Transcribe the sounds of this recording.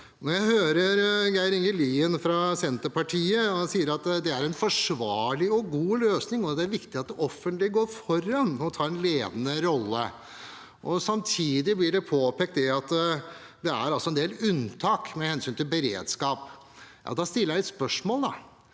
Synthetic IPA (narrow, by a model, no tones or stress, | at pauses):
nɔɾjæɪhøːɾəɾɡæɪɾɪŋɡəliːənfɾɑsɛnt̪əɾpɑʈʰiːəɑsiːəɾɑt̪ːd̪ɛæɾɛnfɔʂʋɑːɭɪɔɡuːløːsnɪŋɔd̪ɛæɾʋɪkt̪ɪɑt̪̚d̪ɛʔɔfːənt̪lɪɡoːɾfɔɾɑnɔt̪ʰɑːɾɛnleːd̪ənəɾɔlːə̰ | ʔɔsɑmt̪ʰiːd̪ɪblɪɖɛpʰoːpɛk̚t̪d̪ɛɑt̪ | d̪ɛæ̰ɾɑlsɔɛnd̪eːlʉnt̪ʰɑːkmɛhɛnsyːnt̪ɪlbəɾḛːd̪skɑːp | jʔɑ̰ːd̪ɑst̪ɪlːjælɪt̪spœʂmoːld̪ɑ̰